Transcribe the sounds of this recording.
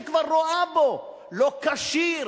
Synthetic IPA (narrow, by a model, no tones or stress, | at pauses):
kvaɾːoabo | lokaʃi